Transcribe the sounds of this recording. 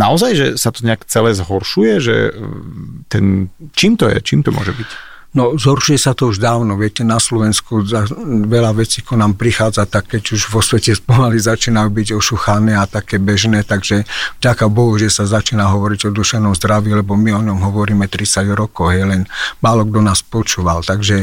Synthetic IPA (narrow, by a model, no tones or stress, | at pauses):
naɔzajʒɛsat̪ɔɲɛakt͡sɛlɛːzɦɔɾʃujɛʒɛ̰ | t̪ɛnt͡ʃiːmt̪ɔjɛ̰t͡ʃiːmt̪ɔmʊɔ̰ʒɛbic | nɔzɦɔɾʃujɛsat̪ɔuʒd̪aːʊnɔʋɪɛcɛnaslɔʋɛnskuzaʋɛlaʋɛt͡siːkɔnaːmpɾixaːd͡zat̪akːɛɟuʒʋɔsʋɛcɛspɔmalizat͡ʃiːnaubiɟɔʃuxanɛat̪akɛːbɛʒnɛːt̪aɡʒɛvɟakabɔɦuʒɛsazat͡ʃiːnaɦɔʋɔɾiɟɔd̪uʃɛnɔmzd̪ɾaʋiːlɛbɔmiɔɲɔmɦɔʋɔɾiːmɛt̪ɾit͡saɟɾɔkɔʊɦjɛlɛnmaːlɔɡ̚d̪ɔnaːspɔt͡ʃuːʋalt̪aɡʒɛ